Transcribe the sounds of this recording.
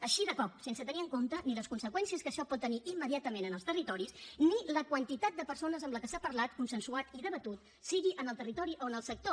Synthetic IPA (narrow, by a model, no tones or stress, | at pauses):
əʃiðəkɔp̚sensət̪əniəŋkomt̪əniləskunsəkwɛnsiəskəʃɔpɔt̪ːəniʔimːəðiat̪əmenənəlˠst̪ərit̪ɔɾisniləkwənt̪it̪at̪̚d̪əpəɾsonəzəmbləkəsapəɾlat̪kunsənsuat̪iðəβət̪ut̪̚ | siɣiʔənəlˠt̪ərit̪ɔɾiʔoənəlˠsək̚t̪o